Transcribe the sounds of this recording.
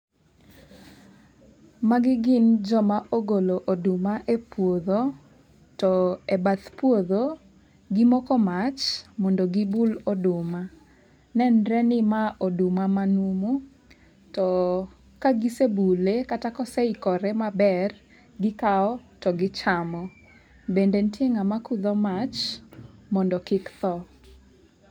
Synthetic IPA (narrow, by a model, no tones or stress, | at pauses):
maɡɪɡɪnd͡ʒɔmaʔoɡoloʔodʊmaʔepwoðo | tɔebat̪pwoðo | ɡɪmɔkɔmat͡ʃmɔndoɡɪbulodʊma | nɛnɾɛnɪmaʔodʊmamanumu | tɔ | kaɡisebulekatakɔsɛikɔɾɛmabɛr | ɡɪkaɔtɔɡɪt͡ʃamɔ | bendentjeŋamakuðɔmat͡ʃ | mɔndɔkɪkt̪ɔ